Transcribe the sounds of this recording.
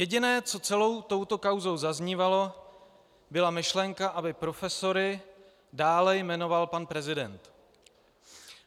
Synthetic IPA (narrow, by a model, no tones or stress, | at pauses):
jɛɟɪnɛːt͡so̞t͡sɛlo̞wt̪o̞wt̪o̞kawzo̞wzazɲiːvalo̞ | bɪlamɪʃlɛŋkaʔabɪpɾo̞fɛso̞ɾɪ | daːlɛjmɛno̞valpanpɾɛzɪdɛnt̪